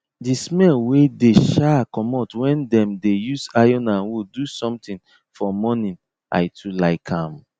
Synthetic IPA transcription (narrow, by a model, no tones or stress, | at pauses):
dismɛlwedeʃakɔmɔtwɛ̃ndɛ̃mdejusajɔ̃nãnwudusɔ̃mtĩn | fɔmɔnĩn | ʔa̰ɪtʰulaɪkʰãm